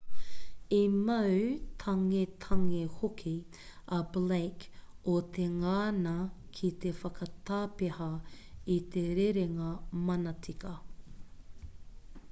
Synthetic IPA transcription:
imɐwt̪ʰɐŋet̪ʰɐŋehokʰi | ɐblejkot̪ʰeŋaːnɐ | kʰit̪efɐkɐt̪aːpeɦɐ | it̪eɾeɾeŋɐmɐnɐt͡sʰikɐ

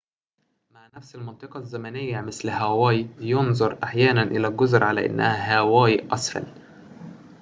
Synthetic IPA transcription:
maʕnæfsɪlmɑnt̪ˤɨqɑzːæmænɪjːamɪslhæwæːjjonzˤɑɾˤʔaħjæːnænʔɪlæːlɡʊzɾʕalæ̰ʔɪ̰nːæhæɦæwæːjʔɑsˤfæ̰l

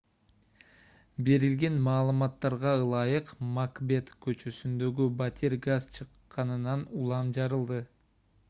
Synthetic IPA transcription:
be̞ɾilɡe̞nmɑːlˠɯmɑt̪ːɑɾʁɑɯlˠɑjɯqmakbʲe̞t̪kø̞t͡ʃøsynd̪ø̞ɡybat̪ʰʲeɾɡazt͡ʃʰɯqːɑnɯnɑnulˠɑmd͡ʒɑɾɯlˠd̪ɯ

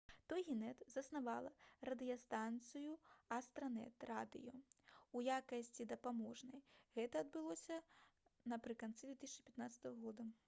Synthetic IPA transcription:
t̪ɔjɣʲinɛt̪zɐsnavalˠɐrɐd̪ɨjɐst̪ant̪sɨjuɐst̪ɾɐnɛ̰t̪rad̪ɨ̰juujakɐsʲt͡sʲid̪ɐpamɔʐnɐjɣɛt̪ɐɐd̪̚bɨlˠɔsʲɐnɐpɾɨkant̪sɨd̪vʲɛt̪ɨsʲt͡ʃipʲɐt̪nat̪sɐ̥t̪ɐvɐɣɔd̪ɐ

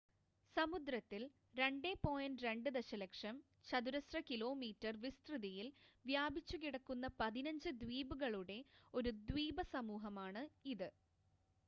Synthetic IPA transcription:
sɐmud̪ɾɐt̪ːil | ɾe̞ɳɖe̞pːo̞ːjɐnɾe̞ɳɖɨd̪eɕɐlekʂɐm | t͡ɕɐd̪uɾɐsrɐkilo̞ːmiːtːɐrʋist̪rɨðijilʋjaːbit͡ɕːukiɽɐkːunːɐpɐðinɐɲd͡ʑɨd̪wiːbuɣɐɭuɽe̞o̞ɾud̪wiːbɐsɐmuːɦɐmaːɳɨiðɨ

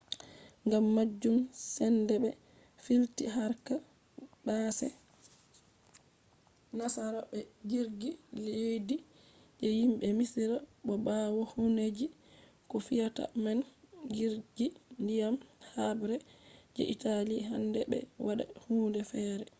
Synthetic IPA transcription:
ŋɡamːad͡ʒːumsɛndɛbɛ | filtiɦaɾka | basɛ̰ | nasaɾɔbɛɡiɾɡilejdi | d͡ʒɛjimɓɛmisiɾaɓɔbawɔhuned͡ʒi | kɔfijata̰manɡiɾɡindijamhabɾɛd͡ʒɛ̰ʔitaliɦandɛ̰bɛ̰waɗa̰huːndɛfɛːɾɛ

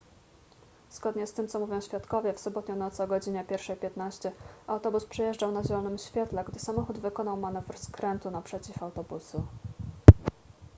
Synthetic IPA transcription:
z̥ɡɔd̪ɲɛst̪ɘmt̪sɔmuvʲjɔ̃w̃ɕfʲjat̪kɔvʲjɛfsɔbɔt̪ɲɔ̃w̃nɔt̪sɔɡɔd͡ʑiɲɛpʲjɛɾfʂɛjpʲjɛt̪naɕt͡ɕɛawt̪ɔbuspʂɛjɛʐd͡ʐawnaʑɛlɔnɘmɕfʲjɛt̪lɛɡd̪ɘsamɔxud̪vɘkɔnawmanɛvɾskɾɛnt̪unapʂɛt͡ɕifawt̪ɔbusu

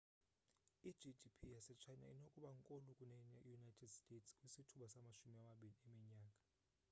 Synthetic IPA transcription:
i̥d͡ʒidipʰijasɛt͡ʃʰajna̰inokʼuɓaŋkʼolukʼunɛnɛjunajtʰɛdstʼetʰskʼwisitʰuɓasamaʃumiamaɓiliɛmiɲaːkʼḁ

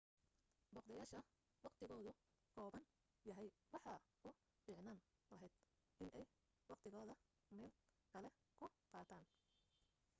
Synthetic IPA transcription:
bɔqd̪ɐjaːʃɐ | wɑqt̪ʰɪɣɔːðʊ | kʰɔːβɐŋ | jɐɦɛjwɑħɑ | ʊ | bɪʕnaːnlɐɦɛjd̪̥ | ʔɪnʔɛj | wɑqt̪ʰɪɣɔːðɐ | mɛːd̪kʰɐlɛ | kʰʊqɑːt̪ʰaːn

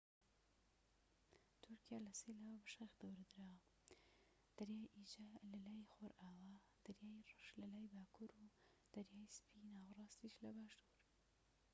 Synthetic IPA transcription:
t̪ʰʊɾkʰijaːlɐselawɐbɐʃaxd̪ɐwɾɐd̪ɾaːwɐ | d̪̥ɐɾjaːjʔid͡ʒalɐlaːjxoːɾʔaːwa | d̪̥ɐɾjaːjrɨʃlɐlaːjbaːkʰuɾu | d̪̥ɐɾjaːjspʰinaːwrˤɑːst̪iʃlɐbaːʃt̪uɾ

